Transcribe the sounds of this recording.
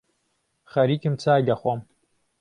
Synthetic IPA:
χɐɾikɨmt͡sʰaːɡɐχʷɐm

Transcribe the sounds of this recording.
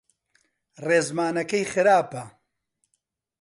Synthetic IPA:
reːzmaːnɐkɐjxɨɾaːpɐ

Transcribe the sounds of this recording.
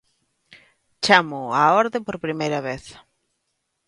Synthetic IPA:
t͡ʃamʊaɔɾðepoɾpɾimejɾɐβeθ

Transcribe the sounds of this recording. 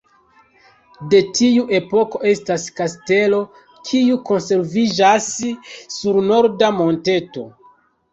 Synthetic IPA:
de̞tiuʔe̞po̞ko̞ʔe̞staskaste̞lo̞ | kʰiuko̞nse̞ɾvid͡ʒasː | uɾno̞ɾdamo̞nte̞to̞̰

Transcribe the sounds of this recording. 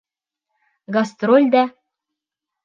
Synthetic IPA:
ɡast̪ɾolʲd̪æ

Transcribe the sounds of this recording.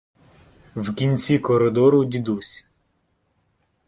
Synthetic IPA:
wkʲinʲt͡sʲikɔɾed̪ɔɾʊd̪ʲid̪usʲ

